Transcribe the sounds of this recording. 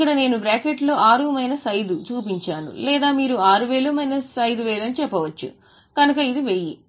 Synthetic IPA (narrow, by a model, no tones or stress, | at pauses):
kːɐɽɐne̞ːnubɾaːkeʈlo̞ːʔaːɾuːmɐjnɐsɐjd̪ut͡ʃuːpiɲt͡ʃaːnṵlɛːd̪aːmiːɾuaːɾuʋeːluːmɐjnɐsɐjd̪uʋɛːlɐnit͡ʃɛpːɐʋɐt͡ʃːṵ | kɐnɐkɐid̪iʋeːji